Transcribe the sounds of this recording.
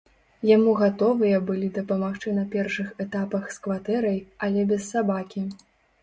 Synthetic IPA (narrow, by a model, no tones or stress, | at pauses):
jamuɣat̪ɔvɨjɐbɨlʲid̪ɐpɐmaxt͡ʂɨnɐpʲɛrʂɨxɛt̪apɐxskvat̪ɛɾɐjɐlʲɛbʲɛsːabakʲi